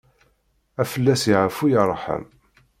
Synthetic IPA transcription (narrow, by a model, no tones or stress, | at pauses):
æfəlːæsiʕəfujɑɾˤħə̰m